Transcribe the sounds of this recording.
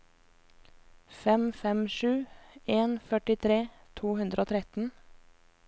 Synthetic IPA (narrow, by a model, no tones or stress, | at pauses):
fɛmfɛmʃʉːeːnfœʈɪt̪ʰɾeːt̪ʰuːhʉnd̪ɾəoːt̪ʰɾɛt̪n̩